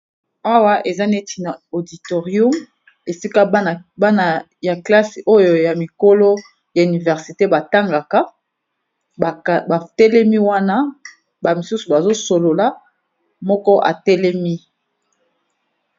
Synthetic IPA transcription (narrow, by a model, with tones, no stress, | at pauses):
a˦wa˦ʔe˨za˦ne˦ti˨na˨o˨di˨to˨ʁju˦m | e˨si˦ka˦˨ba˦na˨ | ja˨kla˦si˨ʔo˦jo˨ja˨mi˨ko˦lo˦ | ja˨y˨ni˨vɛ˨ʁsi˨te˦ba˨ta˦ŋɡa˨ka˦˨ | ba˨tɛ˦lɛ˦mi˦wa˦na˦ | ba˨mi˨su˦su˨ba˨zo˦so˨lo˨la˦ | mɔ˦kɔ˦ʔa̰˨tɛ˦lɛ˦mi˦